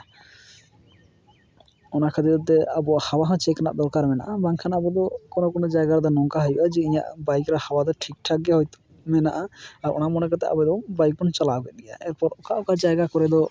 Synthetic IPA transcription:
ɔnakʰad̪id̪ɔt̪ːɛabɔahawaɦãt͡ʃɛkʰana̰ʔd̪ɔɾkaɾmɛna̰ʔabaŋkʰanabɔd̪ɔkɔnokɔnɔd͡ʒajɡaɾd̪ɔnɔŋkaɦajuʔad͡ʒɛiɲa̰ʔbajkɾahawad̪ɔʈʰik̚ʈʰaɡɛɦɔjt̪ | mɛna̰ʔaaɾɔ̰namɔnɛkat̪ɛʔa̰bɛd̪ɔbajk̚bɔnt͡ʃalaɡɛɡɛja̰ʔɛɾpɔɾɔkaʔɔkad͡ʒajɡakɔɾɛd̪ɔ

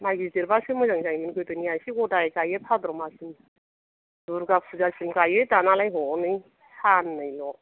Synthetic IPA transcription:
maɡisdeɾbasɯmɯzaŋzaŋminkɯjtɯniasiɡɔtaekajepʰad̪ɾɔmasim | duɾɡapʰuzasimkajɯtanalajɦɔnɯj | sʰanːɯjlɔ

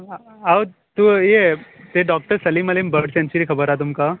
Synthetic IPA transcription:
aw | t̪ujet̪eɖɔk̚ʈəɾsəliːmaliːmbəɾɖsẽnt͡ɕuɾikʰəbəɾat̪̬umka

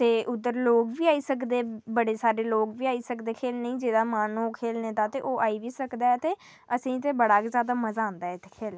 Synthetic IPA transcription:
t̪eːʔʊd̪ːəɾloːkʋiːaːiːsəkd̪eːbəɽeːsaːɾeːloːkʋiːaːiːsəkd̪eːkʰeːlnəĩːd͡ʒeːd̪aːmaːnũːkʰeːlneːt̪aːt̪eːʔoːʔaːiːʋiːsəkd̪aːɛt̪eː | əsĩːt̪eːbəɽaːkːzjaːd̪aːməzãːnd̪aːɛɪt̪ʰːe̥ːkʰeːlː

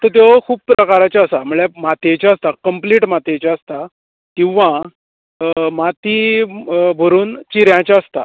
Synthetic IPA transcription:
t̪ət̪̬jokʰuːb̚pːɾəkaɾat͡ɕaəsam̤uɭemat̪et͡ɕaəst̪akəmpliːʈmat̪et͡ɕaəst̪a | kĩw̃ʋã | mat̪i | bʱəɾuːnt͡ɕiɾjãt͡ɕaəst̪a

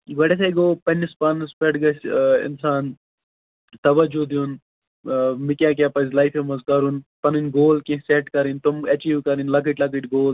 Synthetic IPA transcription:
ɡɐʈesejɡoːpɐnʲːispɐnspɐʈɡɐsɪ̰nsaːn | t̪ɐʋɐd͡ʒud̪jun | mikʲjaːk̬ʲaːpɐzlɐjfemɐzkɐɾunpɐnunʲɡoːlkẽseʈkɐɾint̪umɐt͡ʃiːʋkɐɾinlɐk̬iʈʲlɐkiʈɡoːl

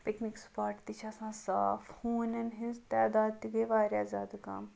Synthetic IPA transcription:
piknikspaːʈt̪it͡ʃʰɐsãːsaːfhuːnɐnɦĩnzt̪ɛːd̪aːd̪̚t̪iɡɐjʋaːɾjaːzaːd̪ɐka̰ːm

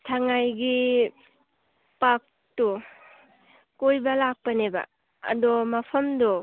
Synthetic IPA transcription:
tʰaŋajɡi | pak̚ | tu | kojbɐlak̚pɐneba̰ | ɐ̰dɔmɐpʰɐmdɔ

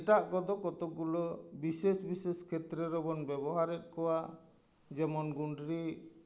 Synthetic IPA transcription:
ɛʈaʔkɔd̪ɔkɔt̪ɔk̚ulɔbisesbiseskʰɛt̪ɾɛɾɔbɔnbɛbɔɦaɾɛt̪̚ˀkɔwa | d͡ʒɛmɔnɡuɳɖɾi

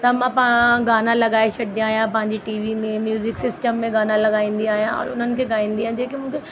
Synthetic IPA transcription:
t̪ɐmãpɐãɡaːnãlɐɠaːet͡ɕʰɐɽɪd̪ijaːɦjãpɐ̃ɦɪ̃ɲd͡ʑiʈiːʋimẽmjuːzɪksɪsʈəmːẽɡaːnãlɐɠaːĩːnd̪iaːɦijãɔ̰ːɾʊn̤ənɪ̆kʰeːɡaːĩːnd̪iãːd͡ʑeːkimũːkʰe

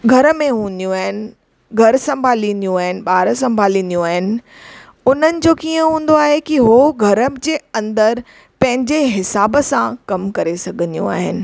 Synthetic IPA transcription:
ɡʱɐɾəmẽɦũːnd̪ijũaːɦɪnɪ̆ | ɡʱɐɾsɐ̃mbʱaːlĩnd̪ijũaːɦɪnɪ̆ɓaːɾsɐ̃mbʱaːlĩnd̪ijũaːɦɪnɪ̆ | ʊn̤ənɪ̆d͡ʑoːkiːə̃ɦũːn̆d̪oaːɦekiɦoɡʱɐɾəd͡ʑeːɐ̃nd̪əɾ | pɐ̃ɦɪ̃ɲd͡ʑeɦɪsaːbəsãkɐmkɐɾesɐɡʱənijṵ̃a̰ːɦɪnɪ̆

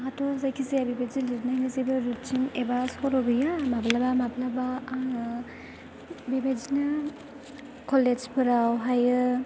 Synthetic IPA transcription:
ɦatɔzajkʰizijabibad͡ʒiliɾnajnizibɯɾut͡ʃimebaskɔɾɔbɯjamablabamablaba | bibad͡ʒina | kɔled͡ʒpʰɯɾawɦajɯ

